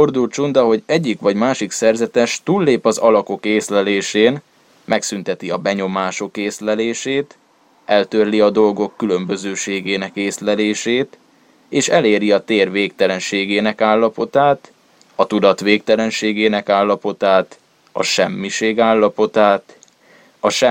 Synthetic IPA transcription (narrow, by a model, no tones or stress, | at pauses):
ford̪ult̪t͡ʃund̪ɒɦo̞ɟɛɟːikʋɒɟmaːʃiksɛrzɛt̪ɛʃt̪uːlːeːpɒzɒlɒko̞keːslɛleːʃeːn | mɛksynt̪ɛt̪iɒbɛɲo̞maːʃo̞keːslɛleːʃeːt̪ | ɛlt̪ørliɒd̪o̞lɡo̞kːylø̞mbø̞zøːʃeːɡeːnɛkeːslɛleːʃeːt̪ | eːʃɛleːɾiɒt̪eːrveːk̚t̪ɛlɛnʃeːɡeːnɛkaːlːɒpo̞t̪aːt̪ | ɒt̪ud̪ɒt̪ʋeːkt̪ɛlɛnʃeːɡeːnɛkaːlːɒpo̞t̪aːt̪ | ɒ̰ʃɛmːiʃeːɡaːlːɒpo̞t̪aːt̪ | ɒʃɛ